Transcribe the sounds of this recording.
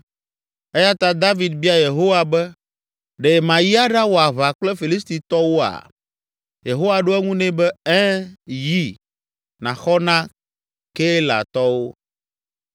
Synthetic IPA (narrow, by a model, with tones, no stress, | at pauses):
ɛ˦ja˦t̪ã˦d̪a˦vi˨d̪̚bi˦a˦˨je˨ɦo˦wa˨bɛ˦ | ɖɛ˨mã˨ji˦a˦ɖa˦wo˨a˨βa˨k͡plɛ˦fi˨li˦st̪i˨t̪ɔ˦wo˦a̰˨ | je˨ɦo˦wa˨ɖo˦ɛ˦ŋũ˦nɛ̃˦bɛ˦ɛ̃˦ji˦ | nã˨xɔ˦nã˦ | ke˦la̰˨t̪ɔ˦wo˦